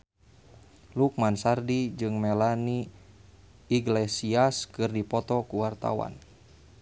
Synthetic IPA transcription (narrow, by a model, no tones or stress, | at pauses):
lukmansardid͡ʒɨŋmɛlani | iɡlɛsiaskɨrdipɔt̪ɔkuwart̪a̰wa̰n